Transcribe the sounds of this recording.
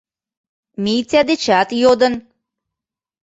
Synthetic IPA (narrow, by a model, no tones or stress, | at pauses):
mijt͡sʲæd̪et͡ɕæt̪jod̪ɤ̆n